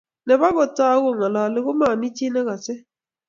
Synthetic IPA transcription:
nɛ˨ba˦bɔ˨ta˦ɣʊ˦˨ŋa˨la˨lɪ˦ɣʊ˦ma˨ni˦t͡ʃi˦nɛ˦ɣa˨sɛ˦

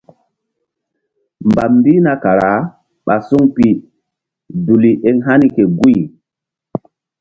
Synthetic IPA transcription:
mba˨mmbi˦na˦ka˨ɾa˨˦ | ɓa˨su˦ŋpi˦ | du˨li˨ʔe˦ŋɦa˦ni˦ke˨ɡu˦j

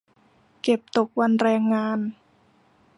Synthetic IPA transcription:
ke˨˩p̚t̪o˨˩k̚wa˧nɾɛː˧ŋːaː˧n

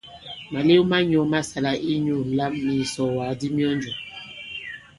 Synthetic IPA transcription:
ma˨le˦u˦ma˦ɲɔ˨ma˦sa˨la˨ʔi˦ɲu˦˨la˦mːi˨sɔ˨wa˨di˦mi˦ɔ˦nd͡ʒu˨

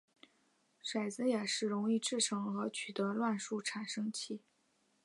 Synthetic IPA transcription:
ʂwa˨˩ɪd͡zɹ̩˧˥jɛ˨˩ʂɻ̩˥˩ɻʊ˧˥ŋi˥˧ʈ͡ʂɻ̩˥˩ʈ͡ʂʰɤ˧˥ŋxɤ˧˥t͡ɕʰy˨˩t̪ɤ˧˥lwa˥˧nʂu˥˩ʈ͡ʂʰa˨˩nʂɤ˥ŋt͡ɕʰi˥˩

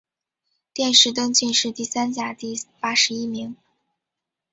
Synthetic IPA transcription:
t̪jɛ˥˧nʂɻ̩˥˩t̪̬wə˥nt͡ɕi˥˧nʂɻ̩˥˧t̪i˥˩sa˥nt͡ɕja˥˩t̪i˥˩pa˥ʂɻ̩˧˥i˥mi˧˥ŋ

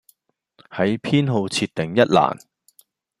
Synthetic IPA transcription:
hɐ˨˥jpʰiː˥nɦo˨˧wt͡sʰiː˧t̚t̪ːɪ˨˩ŋjɐ˥t̚la̰ː˨˩n

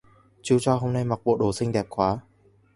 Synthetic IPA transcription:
t͡ɕu˧t͡ɕɔ˧ɦo˧wna˧˨jma˨k̚po˧˨ʔ̚ɗo˨˩sɪ˥˧˨ŋd̪ɛː˨˩p̚kʰwaː˨˦

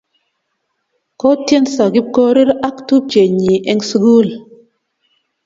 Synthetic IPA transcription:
kɔ˦tje˦nsa˨ɡi˦kɔ˦ɾi˦ɾa˦ktu˦t͡ʃe˨ɲi˨ʔɛ˨ŋsɡu˦˨l

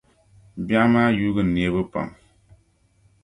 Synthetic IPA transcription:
ba˦maː˦juː˦ɡɨ˨ne˨˦bɨ˦pa̰˨m

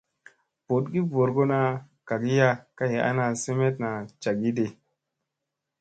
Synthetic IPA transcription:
po˨t̚ɡi˦vo˨ɾɡo˦na˨˧ | ka˨ɡi˦ja˦ka˦je˨a̰˦na˧se˦me˦t̚na˨t͡ʃa˨ɡi˦de˨

